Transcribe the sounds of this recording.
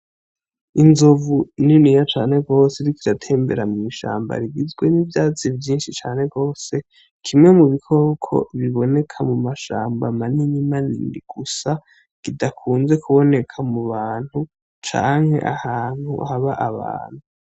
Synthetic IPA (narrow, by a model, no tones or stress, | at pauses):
inzovuninijat͡ʃaːne̞ɡo̞ːseɾikiɾatʰe̞ːmbe̞̰ɾamŋiːʃa̰ːmba̰ɾiɡizɡwe̞nivjaːt͡sivjiːnʃit͡ʃaːne̞ɡo̞ːse̞ | kʰimŋe̞muβikʰo̞kʰo̞̰βiβo̞ne̞kʰamumaʃa̰ːmbamaniɲimanḭḭɡ̥usa | kidakʰuːnze̞kʰuβo̞ne̞kʰamuβaːn̥hu | t͡ʃa̰ːŋhe̞̰ʔahaːn̥hṵhaβaʔaβa̰ːn̥hu